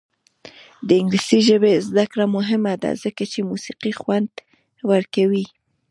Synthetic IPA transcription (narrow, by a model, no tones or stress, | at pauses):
d̪əɪŋɡlisiʒəbezd̪akɽamʊɦɪmad̪a̰zəkat͡ʃemusiqixwand̪ | wəɾkawi